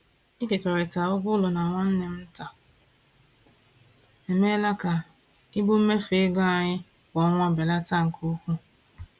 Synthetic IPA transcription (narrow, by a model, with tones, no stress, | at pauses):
i˦ke˨ke˨ɾe˨ta˨ʊ˦ɡʷʊ˦lʊ˨na˨ŋʷa˦n̩˦ne˨m̩˦ta˨ | e˨me˦la˦ka˨ | i˦bo˦m̩˦me˦fe˨˦ɡa˦a˨ɲɪ˦ | kɔ˨˦ŋʷa˦be˨la˦ta˦˨ŋ̩˨kʰo˦kʷu˦